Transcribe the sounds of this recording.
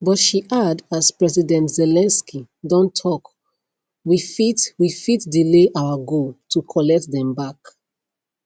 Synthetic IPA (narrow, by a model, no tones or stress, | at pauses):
bɔtʃiʔadaspɹɛzidɛ̃ntzɛlɛ̃nski | dɔ̃ntʰːɔk | wifitwifitdileʔawaɡotʰukʰɔlɛk̚tðɛ̃mbak